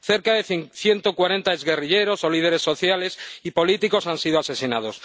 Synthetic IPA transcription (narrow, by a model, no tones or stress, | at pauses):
θe̞ɾkaðe̞θθje̞nt̪okwaɾe̞nt̪aezɣe̞riʎe̞ɾo̞so̞lið̞e̞ɾe̞sːo̞θjale̞sipo̞lit̪iko̞sansiðoase̞sina̰ð̞o̞s